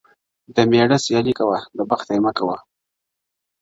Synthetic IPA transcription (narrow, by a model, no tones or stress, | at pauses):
d̪əmeɽasjɑlikawaləbaxt̪ajmakawa